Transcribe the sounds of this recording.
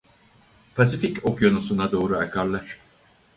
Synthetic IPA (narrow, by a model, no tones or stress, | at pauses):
pʰas̬ificokjonusunad̪o̞ːɾuakʰaɾlˠaɾ̥